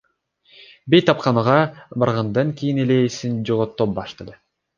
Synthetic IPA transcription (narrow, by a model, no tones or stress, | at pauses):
bejt̪ːɑp̚qɑnuʁɑbɑɾʁɑnd̪ɑŋkijinelesind͡ʒoʁot̪ːop̚bɑʃt̪ɑd̪ɯ